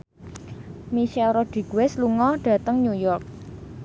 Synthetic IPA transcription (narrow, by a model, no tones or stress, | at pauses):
miʃɛlɾɔd̥ɾiɡ̥wɛsluŋɔɖ̥a̤t̪əŋɲujɔrk̚